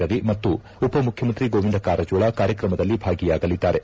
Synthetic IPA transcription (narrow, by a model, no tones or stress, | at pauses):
ɐɾimɐt̪ːu | upɐmukʰjɐmɐnt̪ɾiɡoːʋind̪ɐkaːɾɐd͡ʒuːɭakaːɾjɐkɾɐmɐd̪ɐlːibʱaːɡijaːɡɐlid̪ːaːɾe̞